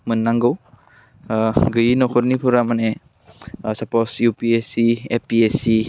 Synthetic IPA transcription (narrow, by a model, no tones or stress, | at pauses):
mɯnːaŋɡɔw | ɡɯjinɔkʰɔɾnipʰuɾamane | sapɔsjupiesiepiesi